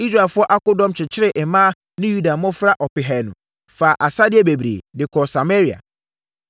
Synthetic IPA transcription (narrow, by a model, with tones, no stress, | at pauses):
i˦s̬ɾa˦˨fʊ˦ɔ˦ʔa˦kʊ˦dɔ̃˦mt͡ɕʰɪ˨t͡ɕʰɪ˦ɾɪ˨ʔɛ˨mãː˦ | nɪ̃˦ju˦da˨˦mʊ̃˦fɾa˦ʔɔ˨pɪ˨ɦɛ˨nʊ̰̃˨ | faː˨ʔa˨sa˦dɪ˨˦ɛ˦be˨bɾḛː˨dɪ˨kʰɔ˨sa˨me˦ɾi˨a̰˨